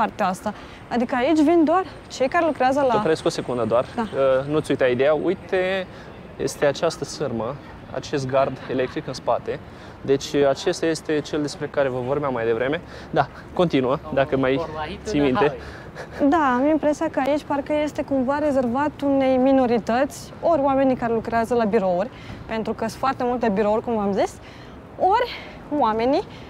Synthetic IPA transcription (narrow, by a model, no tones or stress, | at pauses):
part̪eaast̪a | ad̪ikəait͡ʃʲvind̪oar | t͡ʃe̞jkaɾe̞lukɾeazəlaəpɾesko̞se̞kund̪əd̪oard̪aənut̪sʲujt̪aid̪e̞jaṵjt̪e̞ | jḛst̪e̞at͡ʃast̪əsɨrmə | a̰t͡ʃe̞st̪̚ɡard̪e̞le̞k̚t̪ɾikɨnspat̪e̞ | d̪e̞t͡ʃʲat͡ʃe̞st̪aje̞st̪e̞t͡ʃe̞ld̪e̞spɾe̞kaɾe̞vəvo̞rbeamːajd̪e̞vɾe̞me̞ | d̪a | ko̞nt̪inuəd̪akəmajt̪sijmint̪e̞ | d̪aamimpɾesiakəait͡ʃʲparkəje̞st̪e̞kumvaɾe̞ze̞rvat̪une̞jmino̞ɾit̪ət̪sʲ | o̞ɾʲwame̞nikaɾe̞lukɾeazəlabiɾo̞uɾʲ | pe̞nt̪ɾukəsfoart̪e̞mult̪e̞biɾo̞urʲkumvamzis | o̞ɾʲ | wame̞ni